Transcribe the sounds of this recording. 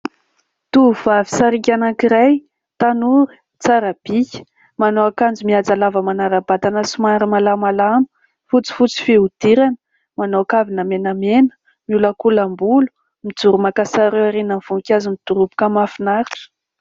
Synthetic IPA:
t̪uv̥avisaɾikʲanakiɾaj | t̪anuɾi̥ | t͡saɾab̥ikʲə̥ | manowakand͡zumiad͡zalavəmanaɾabat̪anəsumaɾimalamalamə̥ | fut͡si̥fut͡si̥feud̪̥iɾanə̥ | manoakavinəmenamenə̥ | miuləkulambulu̥ | mid͡zuɾumakasaɾewaɾenəmv̥uŋkʲazimit̪uɾupu̥kamafinaɾiʈ͡ʂə̥

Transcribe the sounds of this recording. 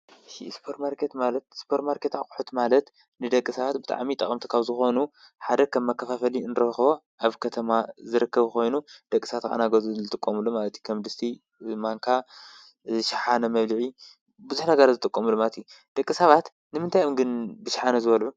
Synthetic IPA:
ʃḭspʰoɾmaɾkʰet̪malɐt̪̚spʰoɾt̪maɾkʰet̪aχʼuħut̪malɐt̪ | nɨd̪ɐkʼːɨsɐβat̪̚bɨt̪ʼa̰ʕmit̪ʼɐχʼɐmt̪ʰi̥kʰaβzɨxo̞nu | ħad̪ɐkʰɐmːɐkʰːɐfafɐliɨnɾɐxβo | ʔaβkʰɐt̪ʰɐmazɨɾɨkʰːɐβko̞jnud̪̥ɐkʼːisɐβat̪kʼa̰naɡɐzuzɨt̪ʼɨkʼːɐmulomalɐt̪jukʰɐmd̪ɨst̪ʰi | maŋkʰa | ʃɪ̥ħanɐmɐβlɨʕi | bɨzuħnɐɡɐɾazɨt̪ʼɨkʼːomulːomalət̪ju | d̪̥ɐkʼːɨsɐβat̪ | nɨmɨnt̪ʰajomɡɨnbɨʃḁħanɐzɨβɐlʕu

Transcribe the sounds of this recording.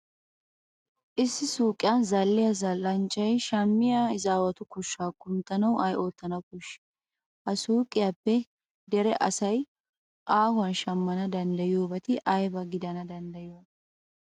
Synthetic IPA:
ʔɪsːɪsuːkʼːɪjanzɐlːɪjɐzɐlːɐnt͡ʃʼːɐjʃɐmːɪjaɪzaːwɐt̪ʊkʊʃːaːkːʊmt̪ːɐnɐwʔɐjʔo̞ːt̪ːɐnɐwkʊʃː | hɐsuːkʼɪjaːpːɛ | d̪ɛɾɛʔɐsɐj | ʔaːhʊwɐnʃɐmːɐnɐd̪ɐnd̪ɐjɪjoːbɐt̪ɪʔɐjbɐɡɪd̪ɐnɐd̪ɐnd̪ɐjɪjo

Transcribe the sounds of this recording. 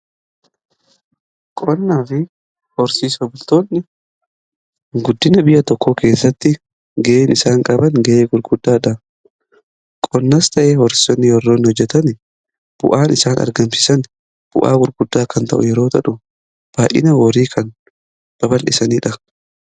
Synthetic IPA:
kʼɔnːaːfɪ | hɔɾsiːsɐbʊlt̪o̞ːnːɪ | ɡʊd̪ːɪnɐbɪjɐt̪ɔkʰːoːke̞ːsːɐt̪ːɪ | ɡɛʔeːnɪsaːŋkʼɐbɐnɡɐʔeːɡʊɾɡʊd̪ːaːᶑɐ | kʼɔnːɐst̪ɐʔeːhɔɾsɪ̥sɔnːɪjɔrːoːnɪhɔd͡ʒːɛt̪ɐn | b̥ʊ̰ʔaːnɪsaːnɐ̰ɾɡɐmsɪ̥sɐn | b̥ʊ̰ʔa̰ːɡʊɾɡʊd̪ːaːkɐnt̪ɐ̰ʔʊ̰jɛɾo̞ːt̪ɐᶑʊ | b̥aːʔɪ̰nɐwɔɾiːkʰɐn | b̥ɐbɐlʔɪsɐniːᶑɐ

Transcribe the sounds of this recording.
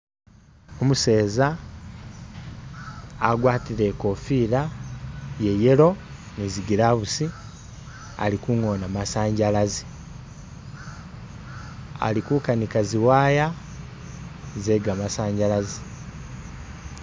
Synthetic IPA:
omuse̞ːza | ɡwaːtiɾe̞ko̞fiːɾa | je̞je̞lo̞ | niziɡiɾaβusi | a̰likuŋoːnamasaːɲɟalazi | a̰likukanikaziwaːja | ze̞ɡamasaːɲɟalazi

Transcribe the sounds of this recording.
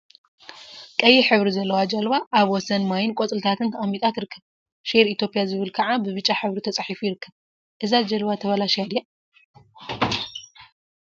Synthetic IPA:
kʼɐjːiħɨβɾizɐlːɐwad͡ʒɐlbaʔːβwɔsɐnmajɪnkʷʼɔt͡sʼɨlt̪ʰat̪ʰɨnt̪ʰʔamit̪ʼat̪ɨɾɨkʰːɐβ | ʃiɾit̪ʰjo̞pʼijazɨβɨlkʰɐʕabɨβɨt͡ʃʼːaħɨβɾit̪ʰɐt͡sʼaħifujiɾɨkːɐβ | ʔɨzad͡ʒɐlβat̪ʰɐβɐlaʃjad̪ja

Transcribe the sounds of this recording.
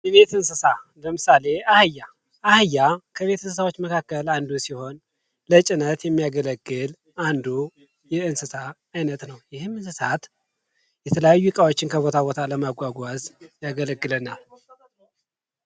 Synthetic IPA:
jɛβe̞t̪ɨnsɨsaləmɨsale̞ahɨjːa | ʔahɨjːakʰəβe̞t̪ɨnsɨs̬awot͡ʃːməkʰakːəland̪usiho̞n | lət͡ʃʼɪnət̪jɛmːijaɡələɡːɨl | ʔand̪u | jɛɨnsɨsaː | jnət̪nəwjɪhɨmɨnsɨsat̪ | jɛt̪ʰələjajːukʼawo̞t͡ʃːɪnkʰəβo̞t̪ʰaβo̞t̪ʰaləmaɡʷaɡʷazjaɡələɡːɨlənal

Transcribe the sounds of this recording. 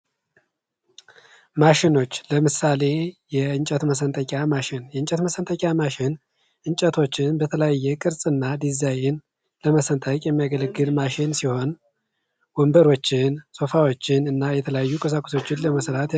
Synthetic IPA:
maʃɪno̞t͡ʃːləmɨsale̞jɛɨnt͡ʃʼɛt̪məs̬ənt̪ʰʼəkʼjamaʃɪnjɛɨnt͡ʃʼət̪məsənt̪ʰʼəkʲʼamaʃɪn | ʔɨɲt͡ʃʼət̪ʰo̞t͡ʃːɪnbət̪ʰələjajːɛkʼɨɾsʼɨnːad̪izajɪn | ləməsənt̪ʰəkʼjɛmːijaɡələɡːɨlmaʃɪnsiho̞n | wɔmbəɾo̞t͡ʃːɪnso̞fawo̞t͡ʃːɪnɨnːajɛt̪ʰələjajːukʼəs̬akʷʼoso̞t͡ʃːɪnləməsɾat̪

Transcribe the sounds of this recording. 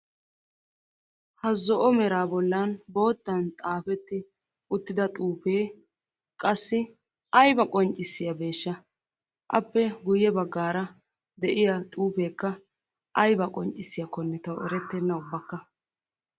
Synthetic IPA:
hɐzɔʔɔmɛɾaːbɔlːɐnbo̞ːt̪ːɐnt̪ʼaːfɛt̪ːɪ | ʊt̪ːɪd̪ɐt̪ʼuːpeː | kʼɐsːɪ | ɐjbɐkʼɔnt͡ʃʼːɪsːɪjɐbe̞ːʃːɐ | ʔɐpːɛɡʊjɛbɐɡːaːɾɐ | d̪ɛʔɪjɐt̪ʼuːpe̞ːkːɐ | ʔɐjbɐkʼɔnt͡ʃʼɪsːɪjɐkɔnːɛt̪ɐwɛ̰ɾɛt̪ːɛnːɐʊbːɐkːɐ

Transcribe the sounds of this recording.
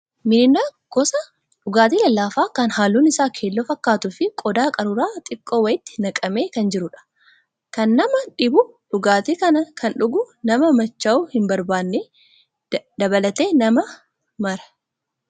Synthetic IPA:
mɪnɪnaː | ɡ̥ɔsɐ | ᶑʊɡaːt̪iːlɐlːaːfaːkɐnhaːlːuːnɪsaːkʰe̞ːlːoːfɐkːaːt̪ʊfɪkʼɔd̪aːkʼɐɾʊɾaːt̪ʼɪkʼːoːwɐjɪt̪ːɪ̥nɐkʼɐmeːkɐnd͡ʒɪɾʊᶑɐ̥ | kɐnːɐmɐᶑɪbʊ | ᶑʊɡaːt̪eːkɐnɐkʰɐnᶑʊɡʊnɐmɐmɐt͡ʃːɐʊːhɪmbɐɾbaːnːe | d̪ɐbɐlɐt̪e̞ːnɐmɐ | mɐɾɐ̥

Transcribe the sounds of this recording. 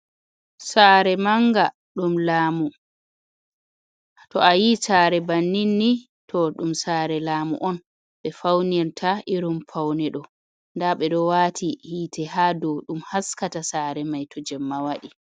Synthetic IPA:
saːɾɛmaŋɡa | ɗumlaːmu | tɔʔajisaːɾɛbanːinːi | tʰɔɗumsaːɾɛlaːmṵʔɔn | ɓɛfawniɾtʰaʔiɾumpʰawnɛɗɔ | ndaɓɛɗɔwatʰihiːtʰɛhadɔɗumhaskatasaːɾɛmajtʰɔd͡ʒɛmːawaɗi

